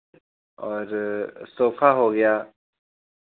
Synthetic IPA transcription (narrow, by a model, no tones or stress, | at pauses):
ɔːɾsoːfaɦoɡɐjaː